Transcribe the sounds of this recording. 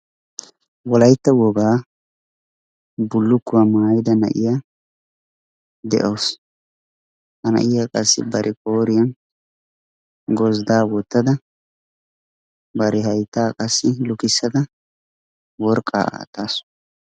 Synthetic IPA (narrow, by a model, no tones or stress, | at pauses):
wɔlɐjt̪ːɐwɔɡaː | bʊlːʊkːʊwamaːjɪd̪ɐnɐ̰ʔɪ̰jaː | d̪ɛ̰ʔoːs | hɐnɐ̰ʔɪjakʼɐsːɪ̰bɐɾʔɛkʼoːɾɪjɐn | ɡɔzd̪aːwɔt̪ːɐd̪ɐ | bɐɾɛhɐjt̪ːaːkʼɐsːɪlʊkɪsːɐd̪ɐ | wɔɾkʼːa̰ːa̰ːt̪ːaːs